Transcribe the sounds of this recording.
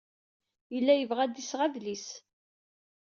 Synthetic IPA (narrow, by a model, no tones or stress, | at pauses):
jəlːæjəvʁæd̪isʁæðlis